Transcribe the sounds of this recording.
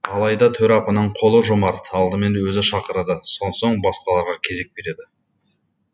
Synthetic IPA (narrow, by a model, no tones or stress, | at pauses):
ɑlˠɑjd̪ɑt̪ʰɵɾɑpənəɴqʰo̞lˠəʒomɑɾt̪ɑlˠd̪əme̞nwɵzɪʃɑqəɾəd̪əso̞nd̪soɴbɑsqɑlˠɑɾʁɑkʲʰe̞ze̞k̚be̞ɾe̞d̪ɪ